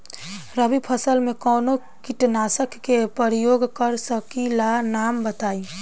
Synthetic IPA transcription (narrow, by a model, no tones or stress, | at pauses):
ɾəbipʰəsəlmẽkɔːno | kɪʈnaːsəkːepəɾijoːɡkəɾsəkilanaːmbət̪aːi